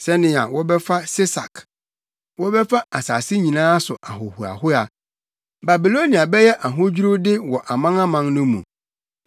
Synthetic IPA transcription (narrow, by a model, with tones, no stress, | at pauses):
sɛ˦nɪ̃˨˦a̰˨wɔ˦bɛ˦fa˦sɪ˦sa˨k | wɔ˦bɛ˦fa˦a˨saː˨sɪ˦ɲĩ˨nãː˦sʊ˨ʔa˨ɦʊ˨hu˨a̰˨hʊ˦a˨ | ba˨bi˨lo˦ni˨a˨bɛ˦jɛ˦ʔa˨ɦʊ̃˦d͡ʑᶣu˦ɾʊ˦dɪ˦wɔ˨ʔa˨mã˦ŋã˦mã˨˦nnʊ̃˦mṵ̃˨